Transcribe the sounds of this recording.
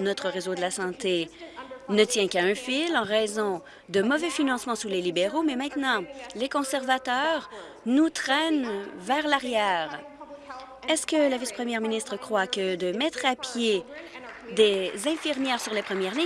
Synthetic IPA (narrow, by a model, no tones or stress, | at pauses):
nɔt̪χəʁezod̪əlasɑ̃t̪e | nət̪jɛ̃kaɛ̃filɑ̃ʁɛzɔ̃ | d̪əmɔvɛfinɑ̃smɑ̃sulelibeʁomɛmɛ̃t̪nɑ̃lekɔ̃sɛʁvat̪œːʁ | nut̪χɛnvɛʁlaʁjɛːʁ | ɛskəlavispχəmjɛʁminist̪χəkχwakəd̪əmɛt̪χapje | d̪ezɛ̃fiʁmjɛːʁsyʁlepχəmjɛʁli